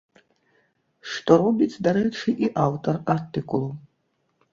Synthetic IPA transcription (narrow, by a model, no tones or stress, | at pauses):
ʂt̪ʼoɾɔbʲit͡sʰʼd̪aɾɛʈ͡ʂʰɨʔiʔawt̪ʼɐrart̪ɨkʼulˠu